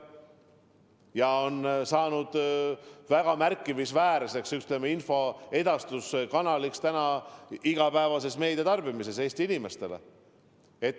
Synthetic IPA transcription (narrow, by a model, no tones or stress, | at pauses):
jɑonsɑːnud̪̥ | væɡ̥ɑmærkːˑivisvæːɾse̞ksyt̪lemeinfo̞e̞d̪ɑst̪uskɑnɑlikst̪ænɑiɡ̥ɑpæevɑse̞sme̞ːd̪̥et̪ɑrb̥imise̞se̞ːst̪iinime̞st̪e̞lḛ | et̪ː